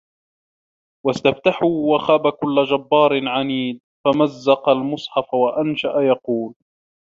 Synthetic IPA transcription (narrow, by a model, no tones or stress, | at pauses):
wast̪aft̪aħuːwaxaːbakʊlːad͡ʒabːɑːɾˤɪnʕaniːd̪̚ | famazːɑqalmʊsˤħɑfwaʔanʃaʔajɑquːl